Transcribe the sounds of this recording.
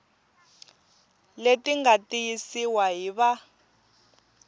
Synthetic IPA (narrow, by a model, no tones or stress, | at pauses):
letiŋɡatijisiwaɦiβa